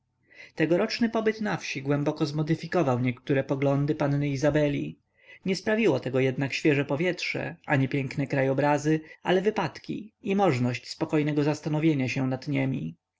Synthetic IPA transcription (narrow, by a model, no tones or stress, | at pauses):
t̪ɛɡɔɾɔt͡ʂnɘpɔbɘt̪nafɕiɡwɛmbɔkɔzmɔd̪ɘfʲikɔvawɲɛkt̪uɾɛpɔɡlɔnd̪ɘpanːɘizabɛlʲi | ɲɛspɾavʲiwɔt̪ɛɡɔjɛd̪nakɕfʲjɛʐɛpɔvʲjɛtʂɛ̰ʔaɲipʲjɛŋknɛkɾajɔbɾazɘalɛvɘpat̪kʲḭimɔʐnɔɕt͡ɕspɔkɔjnɛɡɔzast̪anɔvʲjeɲaɕɛnad̪̥ɲɛmʲḭ